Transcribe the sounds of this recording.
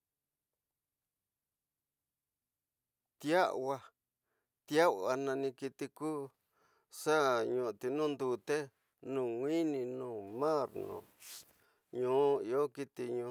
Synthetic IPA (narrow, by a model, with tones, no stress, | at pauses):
t̪ja˦ʔwa˧ | t̪ja˦wa˧nã˧nĩ˧ki˧t̪i˧kuː˦ | ʂa˦ɲũ˧ʔt̪i˧nũː˦nd̪u˧t̪e˦ | nũː˦˨ŋʷĩ˦nĩ˧nũː˦˨mã˦˨ɾnõ̰˨ | ɲũ˦i˧o˦ki˦t̪i˧ɲũ˧